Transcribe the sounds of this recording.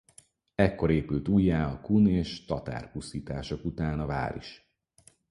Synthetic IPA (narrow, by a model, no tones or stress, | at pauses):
ɛkːo̞ɾeːpylt̪uːjːaːɒkuneːʃt̪ɒt̪a̰ːrpusiːt̪aːʃo̞kut̪aːnɒva̰ːɾḭʃ